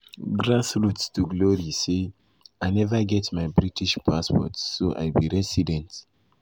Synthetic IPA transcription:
ɡɹasɹuttuɡlɔɹise | aɪnɛvaɡɛtmajbɹitiʃpʰaspɔ̰tsoʔa̰jbiɹɛsidɛ̃nt

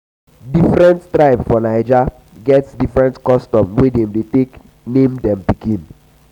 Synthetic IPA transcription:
difɾɛ̃nttɾaɪpfɔnaɪd͡ʒa | ɡɛtsdifɹɛ̃ntkɔstɔ̃mwedɛ̃mdetek | nẽmdɛ̃mpikĩn

